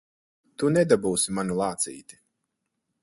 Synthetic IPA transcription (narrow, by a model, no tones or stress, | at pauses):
t̪unɛd̪abuːsimanulˠaːt̪sḭːt̪i̥